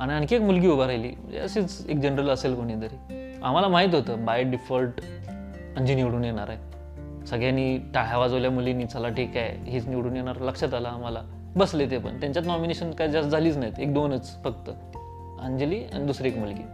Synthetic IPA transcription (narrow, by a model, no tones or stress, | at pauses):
aɽ̃iankiekmulɡiːubaɾajlḭːməḛəsiːt͡sḛk̚d͡ʑenəɾələselkoɽ̃iːd̪əɾi | a̰m̤alamaɦit̪ɦot̪əːbajɖifəlʈ | əɲd͡ʑiniʋɽuːnjeɽ̃aɾae | səɡɭjaniːʈaɦjaʋad͡zoljamuleniːt͡səlaʈikaj̰ɦiːt͡sniʋɽuːnjeɳ̃aɾləkʂət̪alaːm̤ala̰ | bəslet̪epə̰ɳt̪jaɲt͡ɕjat̪nɔmineɕənkajd͡zasd͡zʱaliːt͡snajit̪ek̚d̪onət͡sfəkt̪ə | ənd͡ʑliːa̰ɽ̃id̪usɾiekmulɡḭː